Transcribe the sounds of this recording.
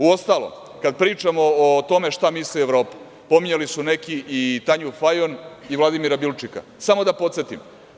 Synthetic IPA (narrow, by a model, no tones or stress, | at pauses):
uo̞st̪alˠo̰m | kad̪̚pɾiːt͡ʃamo̞ːt̪o̞me̞ʃt̪amislieʋɾo̞ːpu̥ | po̞miɲelisune̞kiit̪aɲufajoniʋlˠad̪imiɾabilˠt͡ʃika̰samod̪apot̪set̪im